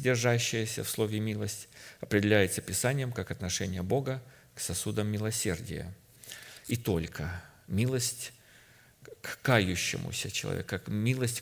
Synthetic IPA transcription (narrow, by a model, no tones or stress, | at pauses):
dʲɪrʐaɕːɪjəsʲə̰fslˠo̞vʲɪmʲilˠəsʲtʲɐpɾʲɪdʲɪlʲæjɪt̪səpʲɪsanʲɪjəmkakɐt̪nɐʂɛnʲɪjəbo̞ɡə | ksɐsud̪əmːʲɪlˠɐsʲe̞rdʲɪ̰jə̰ | it̪o̞lʲkʰə | mʲilˠəsʲtʲ | kkajʊɕːɪ̰mʊ̰sʲət͡ɕɪlˠɐ̰vʲḛkkmʲilˠəsʲtʲ